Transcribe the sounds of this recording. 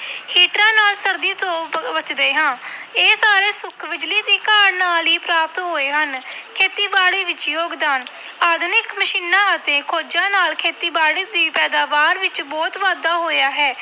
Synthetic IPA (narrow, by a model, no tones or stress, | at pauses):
hiːʈɾãːnaːlsəɾd̪iːt̪õːbət͡ʃd̪eːɦãːeːsaːɾeːsʊkʰʋɪd͡ʒliːd̪iːkaːɾnaːliːpɾaːpət̪ɦoːeːɦənkʰeːt̪iːbaːɽiːʋɪt͡ʃjoːɡd̪aːnaːd̪nɪkməʃiːnãːət̪eːkʰoːd͡ʒãːnaːlkʰeːt̪iːbaːɽiːd̪iːpɛːd̪aːʋaːɾʋɪt͡ʃbɔːt̪ʋaːd̪aːɦoːjaːɦɛː